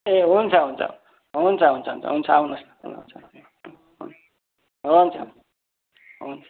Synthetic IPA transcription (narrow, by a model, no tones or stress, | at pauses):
eɦunt͡sʰʌɦunt͡sʰʌ̰ | ɦunt͡sʰʌɦunt͡sʰʌɦṵnt͡sʰʌ̰ɦunt͡sʰʌawnʌsn̰ɦṵnt͡sʰʌ̰ | ṵn | ɦont͡sʰʌ̰ | ɦunt͡sʰʌ